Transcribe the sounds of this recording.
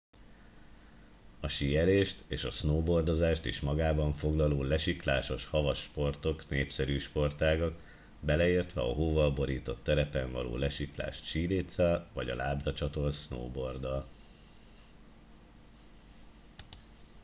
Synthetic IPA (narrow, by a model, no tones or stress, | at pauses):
ɒʃijɛleːʃt̪eːʃɒsnoːbo̞rd̪o̞zaːʃt̪iʃmɒɡaːbɒɱfo̞ɡlɒloːlɛʃikla̰ːʃo̞ʃhɒvɒʃpo̞rt̪o̞kneːpsɛɾyːʃpo̞rt̪aːɡɒk | bɛlɛeːrt̪ʋɛɒ̰ɦoːvɒlbo̞ɾiːt̪o̞t̪ːɛɾɛpɛɱvɒlo̰ːlɛʃikla̰ːʃt̪ʃiːleːt̪sɛlvɒɟɒ̰laːbrɒt͡ʃɒt̪o̞lsno̰ːbo̞rd̪ɒl